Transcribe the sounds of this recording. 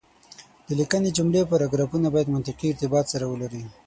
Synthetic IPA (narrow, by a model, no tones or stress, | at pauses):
d̪̥əlikəned͡ʒʊmlepaɾaɡɾɑfunabɑjad̪mʊnt̪ɪqiɪɾt̪ɪbɑt̪saɾawəlaɾi